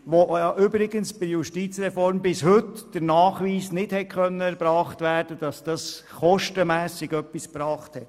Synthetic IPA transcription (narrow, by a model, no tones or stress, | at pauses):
ʋojɑʔʏbɾɪɡənsb̥ɪjuʃtiːt͡sɾɛfɔɾmbɪshɵtd̥əɾnɑːχʋiːsnɪdhɛt̚χœnːəɛɾbɾɑːχtʋæːɾd̥əd̥ɑsd̥ɑsχɔʃtəmæːsɪɡœpːispɾɑːχthɛt